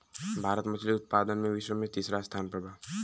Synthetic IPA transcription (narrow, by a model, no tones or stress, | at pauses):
bʱaːɾət̪mɐt͡ʃʰliʊt̪̚paːd̪ənmẽʋɪʃʋəmẽt̪iːsɾast̪ʰaːnpɾəbʱaː